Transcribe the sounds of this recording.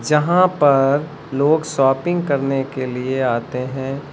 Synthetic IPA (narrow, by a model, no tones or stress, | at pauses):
d͡ʒɐɦãpɐɾ | loːɡsɔːpɪ̃ŋɡkɐɾnekelieaːt̪eɦɛ̃ː